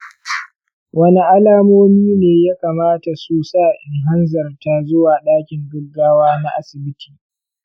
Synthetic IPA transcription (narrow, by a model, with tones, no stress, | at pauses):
wɐ˦ni˦ʔa˦laː˦moː˦miː˦neː˨jaː˦kaː˨maː˦ta˨su˦saː˦˨ʔɪ˨ŋɦa˦nzɐ˨rta˦zʊ˦waː˨ɗaː˦kʲɪ˨ŋɡʊ˦ɡːaː˦waː˦na˦ʔa˦sɪ˨bɪ˦tʰiː˨